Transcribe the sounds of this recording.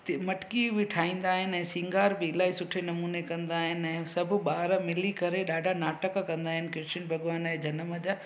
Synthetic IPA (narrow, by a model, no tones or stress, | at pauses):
t̪mɐʈkiʋɪʈʰaːĩːn̆d̪aːɦɪnɛ̃ːsĩːŋɡaːɾbɪːlaːɦisʊʈʰenɐmuːnekɐ̃nd̪aːɦɪnɪ̆ɛ̃ːsɐbʱʊɓaːɾmɪlikɐɾeɗaːɖʱanaːʈəkkɐ̃nd̪aːɦɪnɪ̆kɾɪʃɪnbʱɐɠʋaːnɛ̃ːd͡ʑʱɐnəməd͡ʑaː